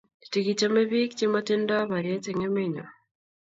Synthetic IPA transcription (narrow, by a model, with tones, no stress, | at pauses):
i̥ti˨ɡi˨tame˦βikice˦mate˦nda˦βa˨ɾie˦t͡se˨ŋe˦meɲa˨